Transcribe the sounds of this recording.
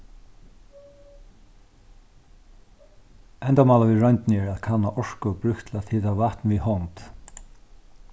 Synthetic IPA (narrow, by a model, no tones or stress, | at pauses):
ɛnt̪amaːlaʋiɹœnt̪nɪɛɹaðkʰanːaʔɔʂkʊbɾʏhkt̪ʰɪlat̪hɪːðavaht̪nvihɔnt̪